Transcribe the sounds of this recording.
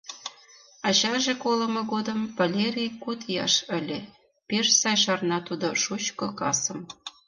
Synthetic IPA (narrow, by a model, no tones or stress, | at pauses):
ɑt͡ɕɑʒekolɤ̆mɤ̆ɣod̪ə̆mvɑlʲeɾʲijkut̪jɑ̰ʃə̆lʲe | peʃsɑjʃ̬ɑrnɑt̪ud̪oʃut͡ɕkɤkɑsɤ̆m